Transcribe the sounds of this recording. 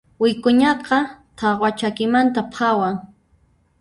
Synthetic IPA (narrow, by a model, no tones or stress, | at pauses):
wɪkʊɲɑqɑt̪ʰɑqwat͡ʃakɪmant̪apʰɑwaŋ